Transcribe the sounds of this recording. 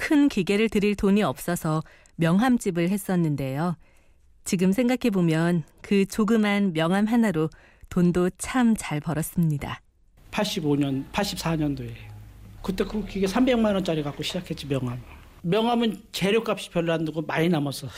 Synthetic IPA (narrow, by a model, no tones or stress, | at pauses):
kʰɯnkiɡe̞ɾɯɭtɯɾiɭtoɲiʌp̚s͈ʌsʰʌ | mjʌŋɦamt͡ɕ͈ibɯɭɦe̞s͈ʌnːɯnde̞jo | t͡ɕiɡɯmsʰe̞ŋɡakʰe̞bomjʌn | kɯt͡ɕoɡɯmanmjʌŋɦamɦanaɾo | tondot͡ɕʰamt͡ɕaɭpʌɾʌs͈ɯmɲida̰ | pʰaɭɕ͈iboɲʌnpʰaɭɕ͈ip̚s͈ʰaɲʌndoe̞kɯt͈ekʰukiɡesʰambe̞ŋmanʌnt͡ɕ͈aɾiɡak͈oɕʰid͡ʑakʰe̞t̚t͡ɕ͈imjʌŋɦam | mjʌŋɦamɯnt͡ɕe̞ɾjok͈ap̚ɕ͈i̥pjʌɭːandaɡomaɲinamʌsʰʌ